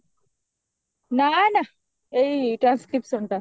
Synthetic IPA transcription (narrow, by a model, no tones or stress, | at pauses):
nana | eiʈɾanskɾip̚ʈsoɳt̪a